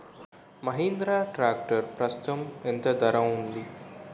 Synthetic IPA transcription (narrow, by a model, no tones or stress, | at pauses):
mɐɦind̪ɾaːʈɾaːk̚ʈɐɾpɾɐsu̥t̪ɐment̪ɐd̪ɐɾɐmund̪i